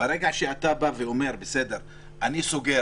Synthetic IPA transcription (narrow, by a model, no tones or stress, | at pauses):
aɾeɡaʃeat̪abaveo̞me̞ʁbese̞d̪eʁ | ʔanisoɡe